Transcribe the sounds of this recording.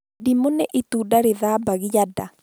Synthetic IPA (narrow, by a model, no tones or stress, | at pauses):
dimonɛʔit̪udaɾeðaːbaɣijada̰